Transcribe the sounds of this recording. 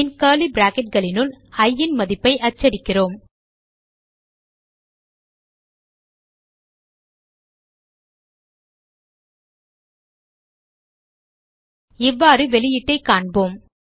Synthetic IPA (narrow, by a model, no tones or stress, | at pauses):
ɪnkaːlibɾaːkɛʈ̚ɡɐɭɪnɯlɐjːɪnmɐðɪpːɐɪʔɐt͡ʃːɐɽɪkːɪroːm | ɪʋːaːɾɯʋɛlɪjɪʈːɐɪkːaːɳboːm